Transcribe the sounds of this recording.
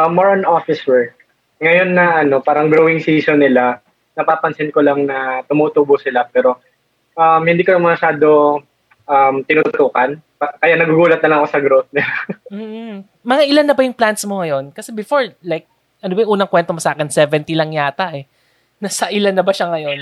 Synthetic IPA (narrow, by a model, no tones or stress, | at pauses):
ʔɐmːoɹnʔofɪswɛɹk | ŋɐjo̞nːɐʔɐno̞paːɾɐʔŋɡɾowɪŋsiːsonːɪla | nɐpapɐnsɪnkolɐŋnɐt̪ʊmuːt̪ubʊsɪlapɛːɾo̞ | ʔɐmhɪnd̪iːkonɐmɐʃaːd̪o̞ | ʔɐmt̪ɪnuʊt̪uːkɐnpkɐjanɐɡʊɡuːlɐt̪̚nɐlɐŋɐkosɐɡɾot̪̚nɪlam̩ː | mɐŋaʔɪlanːɐbɐjʊŋplant̪smo̞ŋɐjo̞nkɐsɛbɪfo̞ɹlajk̚ | ʔɐnobɐjʊŋʔuːnɐŋkwɛnt̪omosaːkɛnsɛːvɛnt̪ilɐŋjaːt̪aʔɛ | nasɐʔɪlanːɐbɐʃaŋɐjo̞n